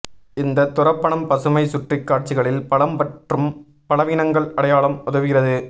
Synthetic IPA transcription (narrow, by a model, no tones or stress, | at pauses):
ɪnd̪ɐt̪ːʊrɐpːɐɳɐmpɐsɯmɐɪsʊʈrɪkːaːʈ̚t͡ʃɪɣɐɭɪlpɐɭɐmpɐʈrɯm | pɐlɐʋiːnɐŋɡɐɭɐɽɐjaːɭɐmʊðɐʋɯɣɪrɐðɯ